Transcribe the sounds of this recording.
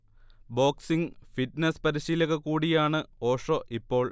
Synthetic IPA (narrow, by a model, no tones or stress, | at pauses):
bo̞ːksiŋfiʈnɐspɐɾiɕiːlɐɣɐkuːɽijaːɳɨo̞ːʂoʔipːo̞ːɭ